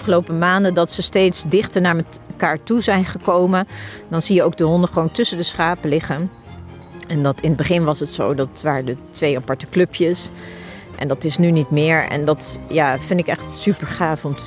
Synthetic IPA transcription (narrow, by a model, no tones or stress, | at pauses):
fχəlowpəmaːndədɑtsəstejtsdɪχtəɹnaːɹmɛkaːɹtuzɛjnχəkowməndɑnzijəowk̚dəɦɔndəχəʋowntɵsəndəsχaːpəlɪχən | ɛndɑtɪnəd̚bəχɪnʋɑsətso̰wdɑtʋaːɹədətʋejapɑɹtəklɵpʰjəs | ʔɛ̰ndɑtɪsnynitmɪːɹɛ̰ndɑtjaːfɪndɪkɛχtsypəɹχaːfɔm